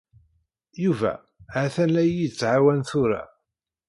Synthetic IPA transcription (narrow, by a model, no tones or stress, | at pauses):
juvæ̰ | ʕaθænːæjːid̪t͡sːʕawænθʊɾa̰